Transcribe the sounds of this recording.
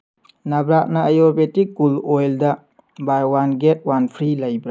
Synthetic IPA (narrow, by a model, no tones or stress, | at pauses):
nɐbɾak̚nɐːjɔɾbetik̚ɡulojldɐ | baɾwanɡet̚wanpʰɾilɐjbɾa